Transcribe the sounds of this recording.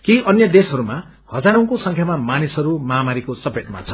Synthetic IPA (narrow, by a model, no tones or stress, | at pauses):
kiʌnjʌd̪esɦʌɾuma | hʌd͡zaɾʌ̃w̃kosʌŋkʰjamamanisɦʌɾumʌɦamaɾikosʌpeʈma̰t͡sʰʌ̥